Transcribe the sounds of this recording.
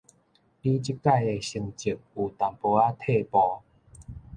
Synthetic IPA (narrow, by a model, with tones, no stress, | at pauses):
pi˦t͡ɕi˦kːa˥˧je˧ɕi˧ŋt͡ɕi˨˩p̚u˨˩t̪a˨mpo˧a˦t̪ʰe˥˧˨pɔ˧